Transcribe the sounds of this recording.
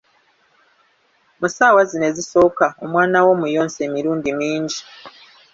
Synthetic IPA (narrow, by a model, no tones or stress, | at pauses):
musaːwazine̞ziso̞kaomwaːnawo̞mujoːnse̞ːmiɾuːndimiːɲɟi